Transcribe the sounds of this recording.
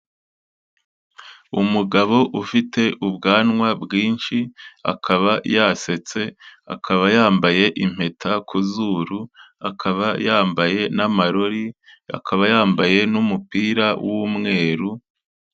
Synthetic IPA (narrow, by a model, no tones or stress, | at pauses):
umuɡaβo̞ʔufite̞ʔubɡaːnŋwabɡiːnʃia̰kʰaβajase̞t͡se̞a̰kʰaβajaːmbaje̞ʔim̥e̞tʰakʰuzuːɾu | akʰaβajaːmbaje̞namaɾo̞ɾia̰kʰaβajaːmbaje̞numupiːɾawumŋe̞ːɾu